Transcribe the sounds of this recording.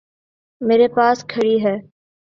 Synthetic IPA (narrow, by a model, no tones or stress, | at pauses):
meːɾepaːskʰəɽiːɦɛː